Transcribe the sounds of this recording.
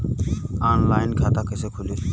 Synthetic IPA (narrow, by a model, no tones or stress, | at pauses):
aːnlaːɪnkʰat̪akəsekʰule